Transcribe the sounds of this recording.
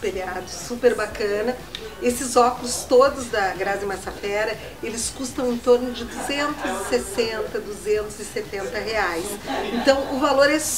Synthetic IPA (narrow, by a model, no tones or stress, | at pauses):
pelad̪ʊsupeɾbakɐ̃nɐesɪzɔkʊlʊst̪od̪ʊzd̪ɐɡɾazɪ̃masafɛɾɐ | elɪskust̪ɐ̃w̃ẽt̪oɾnʊd͡ʒɪd̪uzẽnt̪ʊzɪsesẽnt̪ɐd̪uzẽnt̪ʊzɪset̪ẽnt̪ɐɦeajsẽnt̪ɐ̃w̃ʔʊvaloɾɛs